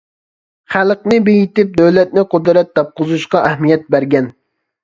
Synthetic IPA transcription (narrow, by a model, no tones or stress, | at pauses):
χælˠqnɪbejit̪ɪp̚d̪øwlɛt̪̚nɪqʊd̪ɾɛt̪̚d̪ɑp̚qʰʊzuʃqɑʔæhmijɛt̪̚bæɾɡʲɛn